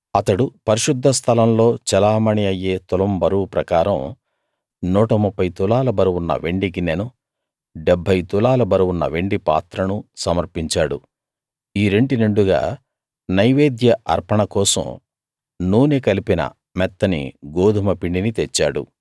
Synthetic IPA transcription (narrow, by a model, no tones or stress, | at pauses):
ɐt̪ɐɽupɐɾiʃud̪ʱːɐst̪ʰɐlɐmlo̞ːt͡ʃɛlaːmɐɳiɐjeːt̪ulɐmbɐɾupɾɐkaːɾɐ̰m | nuːʈɐmupʰːɐjt̪ulaːlɐbɐɾuwunːɐ̰ʋe̞ɳɖiɡinenu | ɖebʱːɐjt̪ulaːlɐbɐɾuwunːɐ̰ʋe̞ɳɖipa̰ːt̪ɾɐnusɐmɐɾpiɲt͡ʃaːɽṵ | iːɾe̞ɳɖineɳɖuɡa̰ː | nɐjʋeːd̪jɐʔɐ̰ɾpɐɳɐkɔːsɐ̰m | nuːnekɐlipinɐ̰ | mɛt̪ːɐnḭɡoːd̪ʱumɐpiɳɖinit̪et͡ʃːaːɽṵ